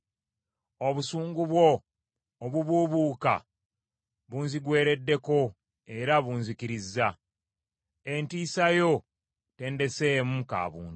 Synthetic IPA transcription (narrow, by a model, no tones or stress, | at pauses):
o̞βusuːŋɡuβwo̞ː | βuβuːβuːka̰ | βunziɡwe̞ːɾe̞dːe̞ko̞ | e̞ɾaβuːnzikiɾizːa | e̞ntiːsajo̞ | te̞ːnde̞se̞ːmuka̰ːβṵːnt